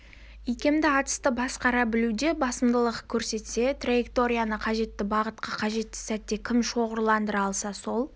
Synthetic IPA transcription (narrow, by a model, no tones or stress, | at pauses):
ijkʲe̞md̪ɪɑt̪ə̥st̪əbɑsqɑɾɑbɪlud̪e̞bɑsəmd̪əlˠəqkʲʰɵɾse̞t̪se̞t̪rajekt̪o̞ɾʲijanəqʰɑʒe̞t̪ːɪbɑʁət̪̚qɑqʰɑʒe̞t̪ːɪ̥sæt̪ːe̞kʲʰɪmʃo̞ʁəɾlˠɑnd̪əɾɑlˠsɑso̞lˠ